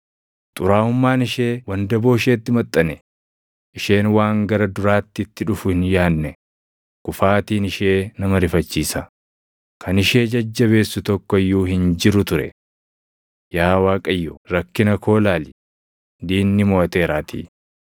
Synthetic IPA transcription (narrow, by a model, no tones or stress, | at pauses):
t̪ʼʊɾaːʊmːaːnɪʃe̞ːwɐnd̪ɐbo̞ːɪʃeːt̪ːɪmɐt̪ʼːɐnɛ | ʔɪʃe̞ːnwaːŋɡɐɾɐd̪ʊɾaːt̪ːɪɪt̪ːɪᶑʊfʊhɪnjaːnːɛ | kʊfaːt̪iːnɪʃe̞ːnɐmɐɾɪfɐt͡ʃːiːsɐ | kʰɐnɪʃe̞ːd͡ʒɐd͡ʒːɐβe̞ːsːʊt̪ɔkːɔɪjːuːhɪnd͡ʒɪɾʊt̪ʊɾɛ̰ | jaːwaːkʼɐjːuɾɐkːɪnɐkʰo̞ːlaːlɪ | d̪iːnːɪmɔːɐt̪e̞ːɾaːt̪ʰḭː